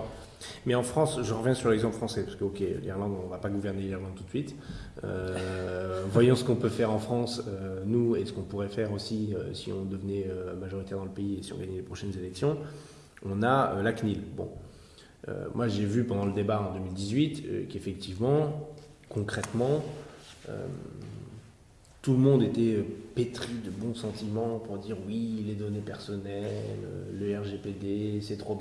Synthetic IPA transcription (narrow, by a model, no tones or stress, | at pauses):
mɛɑ̃fχɑ̃sʒəʁəvjɛ̃syʁlɛɡzɑ̃pləfχɑ̃sɛpḁsəkəɔkʲḛlḭʁlɑ̃d̪ɔ̃vapaɡuvɛʁneliʁlɑ̃d̪̚t̪u̥t̪sɥit̪ | ø̰ | vwajɑ̃sə̥kɔ̃pøfɛʁɑ̃fχɑ̃sønuesə̥kɔ̃puʁɛfɛʁosiøsḭɔ̰̃d̪əvənɛømaʒɔʁit̪ɛʁd̪ɑ̃ləpeiesiɔ̰̃ɡaɲɛlepχɔʃɛnzelɛksjɔ̃ | ɔ̃naølaknilbɔ̰̃ | ø̰mwʔaʒevypɑ̃d̪ɑ̃ləd̪ebaɑ̃d̪əmild̪izɥit̪kefɛk̚t̪ivmɑ̃ | kɔ̃kχɛt̪mɑ̃ | ø̰m | t̪uləmɔ̃d̪et̪ɛøpet̪χid̪əbɔ̃sɑ̃t̪imɑ̃puʁd̪iʁwiled̪ɔnepɛʁsɔnɛlø̰ləɛʁʒeped̪esɛt̪χob